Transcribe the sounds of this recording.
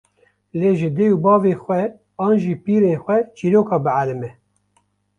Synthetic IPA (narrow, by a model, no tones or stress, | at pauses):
leːʒɨd̪ejubɑːveːxʷɛ | ɑːnʒiːpiːɾeːnxʷwɛt͡ʃiːɾoːkɑːbɨʕalɨmɛ